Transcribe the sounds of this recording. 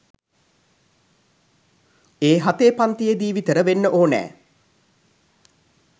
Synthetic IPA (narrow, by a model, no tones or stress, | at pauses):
eːɦat̪eːpant̪ijed̪iːʋit̪əɾəʋenːəʔoːnɛ̰ː